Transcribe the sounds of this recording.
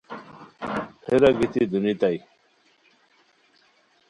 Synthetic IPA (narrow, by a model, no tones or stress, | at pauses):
heɾaɡit̪id̪unit̪aj